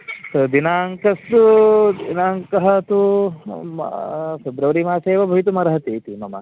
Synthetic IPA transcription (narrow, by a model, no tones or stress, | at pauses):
sɐd̪inaːŋkɐsud̪inaːŋkɐɦɐt̪u | feb̪ɾɐʋɾimaːseːʋɐbʱɐjit̪̬umɐɾɐɦɐt̪iːt̪imɐmɐ̰